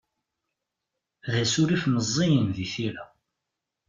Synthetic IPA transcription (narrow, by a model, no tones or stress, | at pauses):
ðæsuɾifməzˤːijənðiθiɾæ